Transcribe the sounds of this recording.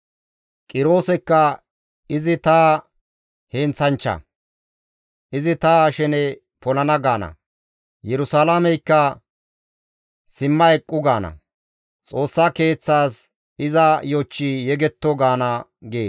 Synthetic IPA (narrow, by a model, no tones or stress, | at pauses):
kʼɪɾo̞ːsɛkːɐ | ɪzɪt̪aː | heːnt͡sɐnt͡ʃːɐ̰ | ʔɪzɪt̪aʃɛnɛ | pɔlɐnɐɡaːnɐ̰ | jɛɾʊsaːlamɛjkːɐ | sɪmːɐɛkʼːʊɡaːnɐ̰ | t͡sʼo̞ːsːaːke̞ːt͡sːaːs | ɪzɐjɔt͡ʃːijɛɡɛt̪ːɔɡaːnɐɡeː